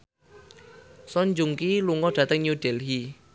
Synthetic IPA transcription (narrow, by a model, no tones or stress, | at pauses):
sɔɲd͡ʒuŋkiluŋɔɖ̥ä̤t̪əŋɲuɖ̥ɛlɦi